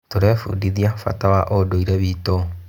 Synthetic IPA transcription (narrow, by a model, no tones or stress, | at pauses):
toɾɛfṵːdiðiafa̰tawaʔodoiɾɛβiːto